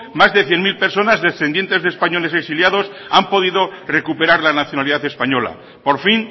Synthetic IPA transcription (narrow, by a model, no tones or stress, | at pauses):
mazðe̞θjenmilpe̞ɾso̞nazðe̞sθe̞nd̪jent̪e̞zðespaɲo̞leseksiljað̞o̞sampo̞ðiðore̞kupe̞ɾaɾlanaθjo̞naliðaθe̞spaɲo̞la̰ | po̞ɾfin